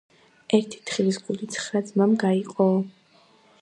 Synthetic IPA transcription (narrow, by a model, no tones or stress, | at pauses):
ɛɾt̪ʰi̥t̪ʰχilisɡulit̪sʰχɾad̪zmamɡaiqʼɔ